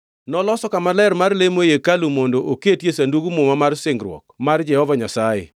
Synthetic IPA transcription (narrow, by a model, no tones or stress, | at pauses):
nɔlɔsɔkamalɛɾmarlemojekalumondoʔoketjesanduɡumʊmamarsɪŋɡɾwɔ̰kmard͡ʒɛhɔvaɲasaɪ̰